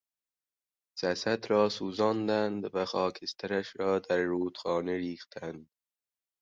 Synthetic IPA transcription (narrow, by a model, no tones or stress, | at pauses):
z̥æsæd̪ɾɒːsuːzɒːnd̪ænd̪væxɒːkʰest̪ʰæɾæʃɾɒːd̪æɾːuːd̪̥xɒːneɾiːxt̪ʰænd̪̥